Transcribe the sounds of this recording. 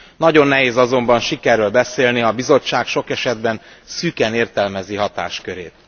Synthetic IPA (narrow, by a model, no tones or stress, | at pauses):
nɒɟo̞nːɛɦeːzɒzo̞mbɒnʃikɛrːøːlbɛseːlniɒbizo̞t͡ʃːaːkʃo̞kɛʃɛd̪bɛn | sykɛneːrt̪ɛlmɛziɦɒt̪a̰ːʃkøɾḛːt̪